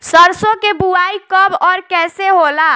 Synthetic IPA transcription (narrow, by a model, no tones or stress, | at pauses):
səɾsokebuaikəbɔɾkɛseɦola